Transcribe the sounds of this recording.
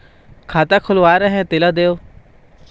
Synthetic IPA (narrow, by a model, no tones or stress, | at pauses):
kʰaːt̪aːkʰʊlʋaːɾəɦɛ̃ːt̪ɪlad̪eːoː